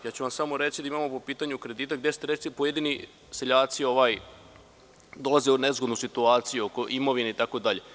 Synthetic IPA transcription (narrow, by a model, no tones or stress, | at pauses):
jaːt͡ɕuʋamsamo̞ɾe̞t͡ʃid̪aimamopopiːt̪aɲukɾe̞d̪iːt̪aɡ̚d̪je̞st̪eɾesipoje̞d̪ini | seʎaːt̪sio̞ʋaːj | d̪o̞lˠazeune̞zɡod̪nusit̪uaːt̪sijuoko̞ʔimo̞ʋineit̪ako̞d̪aʎe̞